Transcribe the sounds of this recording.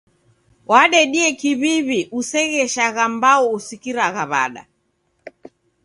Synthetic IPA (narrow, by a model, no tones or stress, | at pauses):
waɗɛɗiɛkiβiβiʔusɛɣɛʃaɣambaɔusikiɾaɣaβa̰ɗa̰